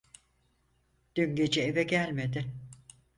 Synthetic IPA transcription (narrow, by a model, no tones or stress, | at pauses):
d̪̥yɲɟe̞d͡ʒɛevɛɟælʲmed̪ɪ